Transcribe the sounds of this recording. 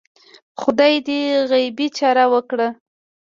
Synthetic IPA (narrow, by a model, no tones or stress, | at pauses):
xʊd̪ɑjd̪eɣajbit͡ʃɑɾawəkɽa